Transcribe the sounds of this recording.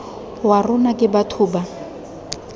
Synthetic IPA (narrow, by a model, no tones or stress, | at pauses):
warʊnakʼɪbatʰuːba